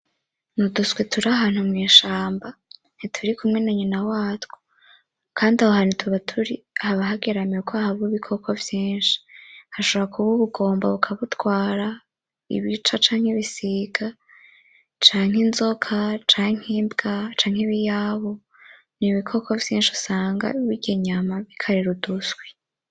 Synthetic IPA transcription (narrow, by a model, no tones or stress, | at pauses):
nuduswetʰuɾaɦaːn̥humŋiːʃaːmba | n̥itʰuɾikumŋe̞naɲinawaːtwo̥ | kʰaːndiahoɦanitʰuβatʰuɾi | haβaɦaɡeɾameukʰoahaβuβikʰo̞kʰovjiːnʃi̥haʃoβoβakʰuβuβuɡo̞ːmba̰βukʰaβutwaːɾa | ḭβit͡ʃat͡ʃaːŋ̥heβisiɡ̥a | t͡ʃaːŋ̥henzo̞kʰat͡ʃaːŋ̥hiːmbɡat͡ʃaːŋ̥heβijaβo | niβikʰo̞kʰovjiːnʃiu̥saːŋɡa̰iβiɟeɲamaβikʰaɾiɾudusɡwe